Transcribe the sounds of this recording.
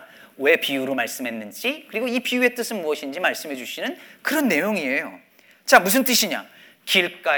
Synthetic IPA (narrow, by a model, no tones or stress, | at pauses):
we̞piuɾomaɭs͈ɯmɦe̞nːɯnd͡ʑikɯɾiɡoipijue̞t͈ɯsʰɯnmuʌɕʰind͡ʑimaɭs͈ɯmɦe̞d͡ʑuɕʰinɯnkɯɾʌnːe̞joŋiejo̰ | t͡ɕamus̬ʰɯnt͈ɯɕʰiɲa̰ | kiɭk͈a